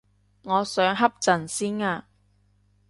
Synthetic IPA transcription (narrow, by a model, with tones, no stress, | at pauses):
ŋɔː˨˧sœː˨˧ŋɦɐ˥p̚t͡sɐ˨˩nsiː˥naː˧